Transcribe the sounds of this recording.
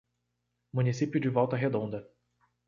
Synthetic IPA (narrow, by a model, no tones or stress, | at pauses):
mũnisipjʊd͡ʒɪvɔwt̪ɐɦed̪õnd̪ɐ